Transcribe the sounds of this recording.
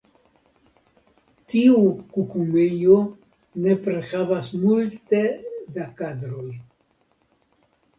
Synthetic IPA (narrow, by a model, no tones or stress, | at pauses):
t̪iukukumejo | nepɾexavasmult̪ed̪akad̪ɾoj